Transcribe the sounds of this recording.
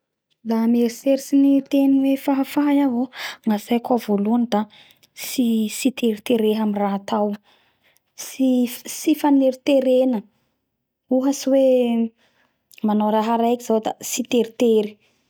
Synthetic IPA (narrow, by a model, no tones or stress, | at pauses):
lameɾiseɾisinit̪eniwefaɦafaɦjavoŋasajkavoluanid̪a | sisit̪eɾit̪eɾeɦamiraɦat̪aw | sifsifaneɾit̪eɾenə | uɦəsiwe | manawɾaɦaɾajkiz̥awd̪asit̪eɾit̪eɾi̥